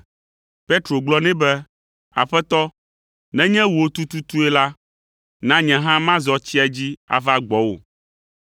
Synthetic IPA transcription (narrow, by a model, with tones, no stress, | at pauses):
pe˦t̪ɾo˨ɡ͡blɔ˦nɛ̃˦bɛ˦ | a̰˨ɸɛ˦t̪ɔ˦ | nɛ̃˦ɲɛ̃˦wu˨o˦t̪u˦t̪u˦t̪u˦ɛ˦la˦ | nã˦ɲɛ̃˨ɦã˦mã˦zɔ˨t͡ɕi˦a˨d͡ʑi˦a̰˨va˦ɡ͡bɔ˨wo̰˨